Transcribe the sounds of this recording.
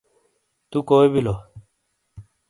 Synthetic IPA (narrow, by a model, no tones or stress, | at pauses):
t̪ukoːebilo